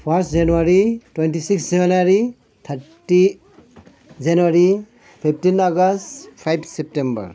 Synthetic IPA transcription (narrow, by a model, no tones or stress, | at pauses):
pʰastd͡ʒanuaɾitwentisiksd͡ʒemnaɾi | t̪ʰaɾti | d͡ʒanuaɾi | pʰipʰtinaɡastpʰajbsɛp̚tembɐ̰ɾ